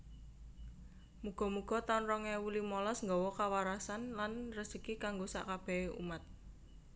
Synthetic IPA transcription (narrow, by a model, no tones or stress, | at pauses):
muɡ̥ɔ̤muɡ̥ɔ̤t̪anrɔŋɛwulimɔlɔsŋɡɔwɔkawaɾasanlanrəsəkikaŋɡosa̰ʔkab̥ɛ̤eṵmat̪̚